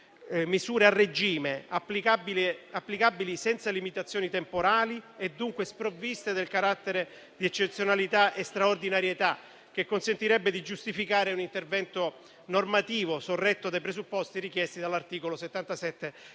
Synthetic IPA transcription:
misuːɾearːed͡ʒiːmeapːlikabilapːlikabːilisɛnt̪salimit̪at̪sːjoːnit̪empoɾaːlied̪ːuŋkwespɾovːist̪ed̪elkaɾat̪ːeɾe | d̪iɛt͡ʃːet̪sjonalit̪aʔest̪ɾaord̪inaɾjet̪a | k̟ekːonsent̪iɾɛbːed̪id͡ʒust̪ifikaːɾeunint̪ervɛnt̪o | normat̪iːvosorːɛt̪ːod̪ajpɾesupːɔst̪iɾikjɛst̪id̪alːart̪iːkoloset̪ːant̪asɛt̪ːe

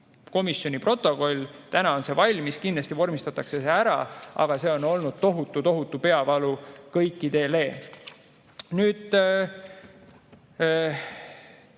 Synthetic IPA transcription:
ko̞misjo̞nʲipro̞t̪ːˑo̞ko̞lʲt̪ænɑo̞nse̞vɑlʲmiskind̪ɑst̪ivo̞rmist̪ɑt̪ːˑɑkse̞seæɾɑ̰ʔɑ̰ɡ̥ɑse̞o̞no̞lnud̪̥̚t̪o̞ɦut̪ˑːut̪o̞ɦut̪ːˑupe̞ɑvɑlukɤjkːˑit̪e̞ːle̞ː | nyːd̪̥

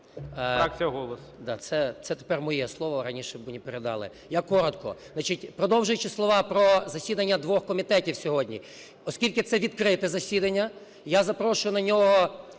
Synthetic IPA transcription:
akt͡sʲijɐɦɔlˠɔsd̪ɑ̰t̪sɛt̪sɛt̪e̥pɛrmɔjɛslˠɔʋɔɾɐnʲiʃɛbmʊnʲipeɾed̪ɑ̰lˠɪ̰ | jakɔɾɔt̪kɔ̰nat͡ʃitʲpɾɔd̪ɔwʒʊjʊt͡ʃɪslˠɔʋɑpɾɔzɐsʲid̪ɐnʲːɐd̪ʋɔxkɔmʲit̪ɛtʲiwsʲɔɦɔdʲnʲḭ | ɔskʲilʲkɪt̪sɛʋʲid̪kɾɪt̪ɛzɐsʲid̪ɐnʲːɐ | jazɐpɾɔʃʊjʊnɐnʲɔɦɔ

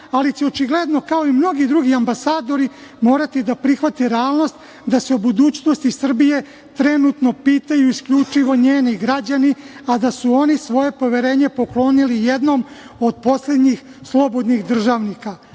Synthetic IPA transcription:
alit͡ɕeo̞t͡ʃiɡle̞d̪no̞kao̞imno̞ɡid̪ɾuɡiambasaːd̪o̞ɾi | mo̞ːɾat̪id̪apɾixʋat̪eɾeaːlˠno̞st̪ | d̪aseobud̪uːt͡ɕnost̪isr̩bije̞ | t̪ɾe̞nut̪no̞piːt̪ajuiskʎut͡ʂiʋo̞ɲeːniɡɾad͡ʑaniad̪asuo̞nisʋo̞je̞po̞ʋe̞ɾe̞ːɲe̞po̞klˠo̞nilije̞d̪no̞m | o̞d̪̚po̞sle̞d̪ɲix | slˠo̞bo̞d̪nixd̪r̩ʒaʋnika

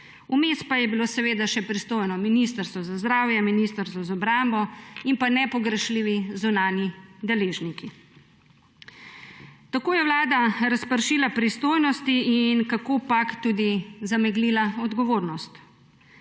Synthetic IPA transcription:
umeːspajɛbiloːsɛʋeːd̪aʃɛpɾist̪oːjnɔminist̪əɾst̪ʋɔzazd̪ɾaːwjɛminist̪əɾst̪ʋɔzaɔbɾambɔimpanɛpɔɡɾɛʃliːʋizunaːnjid̪ɛleːʒniki | t̪akoːjɛʋlaːd̪aɾaspəɾʃiːlapɾist̪oːjnɔst̪iinkakoːpakt̪uːd̪izamɛɡlilaɔd̪ɡɔʋoːɾnɔst̪

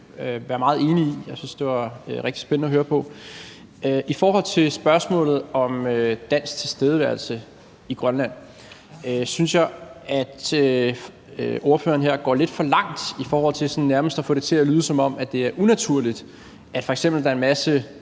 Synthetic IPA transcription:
øʋæɐmɑ̈ːð̞̩ˠe̝ːniijɑ̈ɪsynsd̥e̝ʋɑ̈ʁeɡ̥d̥isb̥ennəɒɦøːɐpʰɒ̽ | ʔifɒːɦɒ̽l̰t͡sʰe̝lsb̥ɶɐsmɔ̰̽ːlð̩ˠɒ̽mød̥æn̰sɡ̥̚t͡sʰe̝lsd̥eːð̞ˠəʋæɐl̩sə | iɡ̥ʁɶnlæn̰ | øsynsjɑ̈ɪæd̥ø | o̝ɐfø̰ːɐn̩ɦeɐ̰ɡ̥ɒ̰ːle̝d̥fɒ̽lɑ̈ŋ̰d̥ifɒːhɒ̽l̰t͡sʰe̝sɒnnæɐməsd̥ɒfɔ̽ːɾet͡sʰe̝ælyːð̞ˠsɒ̽mɒ̽m̰æd̥e̝æɐʔunæt͡sʰuɐ̰lid̥ | ʔæd̥fɒ̽eɡ̥semb̥l̩d̥ɑɐe̝nmæsə

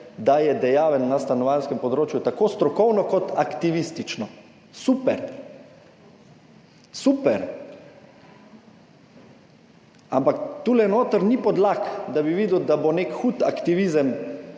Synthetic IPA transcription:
d̪ajɛd̪ɛjaːʋɛnːast̪anɔʋanskɛmpɔd̪ɾoːt͡ʃjut̪akoːst̪ɾɔkɔwnɔkɔt̪akt̪iʋist̪it͡ʃnɔ | supɛɾ | supɛɾ | a̰mpakt̪uːlɛnoːt̪əɾnipɔd̪lakd̪abiʋiːd̪wd̪abonekxuːt̪a̰kt̪iʋiːzəm

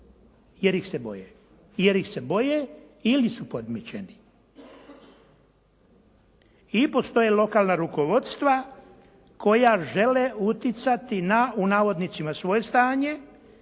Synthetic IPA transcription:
jeɾjixsebo̞̰je | jeɾjixse̞bo̞je | ilisupo̞d̪mit͡ɕeni | ipo̞st̪o̞jelo̞kaːlnaɾuko̞ʋo̞t̪st̪ʋa | ko̞jaʒe̞leut̪jit̪sat̪inaunaːʋo̞d̪nit̪simasʋo̞je̞st̪aːɲe̞

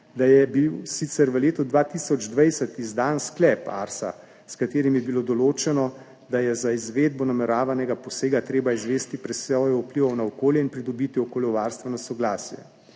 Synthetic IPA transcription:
d̪ajɛbiwsit̪sɛɾʋəleːt̪ud̪ʋaːt̪iːsɔd͡ʒd̪ʋɛjsɛt̪izd̪aːnsklɛpa̰ɾsa̰ | skat̪eːɾimjɛbilod̪ɔloːt͡ʃɛnɔ | d̪ajɛzaizʋeːd̪̚bɔnamɛɾaːʋanɛɡapɔseːɡat̪ɾeːbaizʋeːst̪ipɾɛsɔjɔupliʋɔwnaɔkoːljɛinpɾid̪ɔbit̪iɔkoːljɔwʋaːɾst̪ʋɛnɔsɔɡlaːsjɛ̰

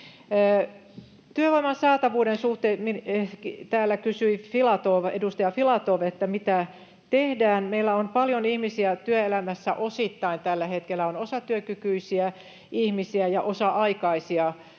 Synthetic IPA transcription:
t̪yøʋoimɑnsɑːt̪ɑʋuːdensuht̪eːmikt̪æːlːækysyifilɑt̪oʋḛdust̪ɑjɑfilɑt̪oʋet̪ːæmit̪æ | t̪ehdæːnmeilːæonpɑljonihmisiæt̪yøelæmæsːæ̰ʔosit̪ːɑint̪ælːæhet̪kelːæonosɑt̪yøkykyisiæ | ihmisiæjɑʔosɑʔɑikɑisiɑ

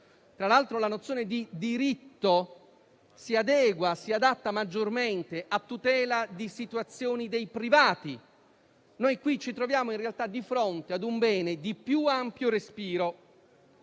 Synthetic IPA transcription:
t̪ɾalalt̪ɾolanot̪sːjoːned̪id̪iɾit̪ːo | siad̪ɛːɡwasiad̪at̪ːamad͡ʒːorment̪eʔat̪ːut̪ɛːlad̪isit̪uat̪sːjoːnid̪ejpɾivaːt̪i | nojkwit͡ʃit̪ɾovjaːmoinrealt̪ad̪ifɾont̪ead̪umbɛːned̪ipjuampjorespiːɾo

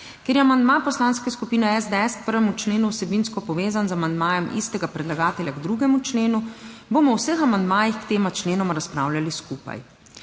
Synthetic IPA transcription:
kʲeɾjɛamand̪mapɔslanskɛskupiːnɛɛzd̪ɛɛskpəɾʋɛmut͡ʃleːnuwsɛbinskɔpɔʋeːzanzamand̪maːjɛmḭst̪ɛɡapɾɛd̪laɡaːt̪ɛlʲjaɡd̪ɾuɡɛmut͡ʃleːnubomɔwsəxamand̪maːjixkt̪eːmat͡ʃleːnɔmɾaspɾaːwlʲaliskuːpa̰j

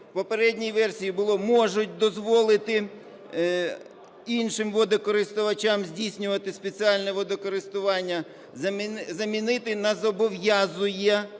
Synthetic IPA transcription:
pɔpeɾɛdʲnʲijʋɛrsʲijibʊlˠɔmɔʒʊt̚ʲd̪ɔzʋɔlˠɪt̪ɪ | inʃɪmʋɔd̪ɔkɔɾɪst̪ʊʋɐt͡ʃamzʲdʲijsʲnʲʊʋɐt̪ɪspet͡sʲiɑlʲnɛʋɔd̪ɔkɔɾɪst̪ʊʋɑnʲːɐ | zɐzɐmʲinɪt̪ɪnɐzɔbɔʋjazʊjɐ

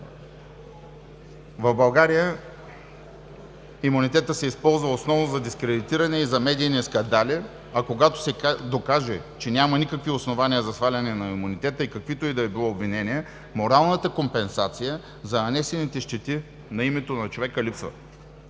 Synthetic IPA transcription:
vɐvbɐlˠɡaɾijə | imunit̪ɛt̪əsɛispɔlˠzvəosnɔvnozɐd̪iskɾɛd̪it̪iɾɐnɛizɐmɛd̪iːnɛskɐnd̪ali | ɐkoɡat̪o̥sɛd̪okaʒɛt͡ʃɛnʲamɐnikəkviosnovaniəzɐsxvalʲɐnɛnɐimunit̪ɛt̪əikɐkvit̪ʊid̪ɐibilˠɔobvinɛniɛ | moɾalˠnət̪əkompɛnsat̪sijə | zɐnɐnɛsɛnit̪ɛʃt̪ɛt̪i | nɐimɛt̪onɐt͡ʃovɛkəlipsvə̰

